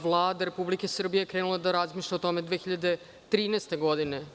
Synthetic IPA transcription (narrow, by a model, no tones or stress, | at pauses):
ʋlˠaːd̪aɾe̞publikesr̩bijeekɾeːnulad̪aɾazmiːʃlʎaot̪omed̪ʋeːxiʎad̪e̞ | t̪ɾiːnɛːst̪eɡo̞d̪ine